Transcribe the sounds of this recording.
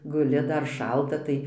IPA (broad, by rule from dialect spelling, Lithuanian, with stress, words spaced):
ɡʊˈlʲɪ ˈdɐr ˈʃɐlˠtɐ ˈtɐɪ